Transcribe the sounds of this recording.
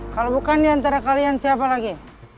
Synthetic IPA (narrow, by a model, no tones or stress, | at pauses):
kalobukandiant̪aɾakalijant͡ʃiapalaɡi